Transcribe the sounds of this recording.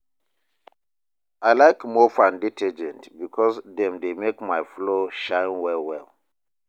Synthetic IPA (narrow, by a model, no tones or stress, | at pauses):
aɪlaɪkmofãnditʰɛd͡ʒɛ̃ntbikʰɔsdɛ̃mdemekmaɪfloʃãɪ̃nwɛlwɛl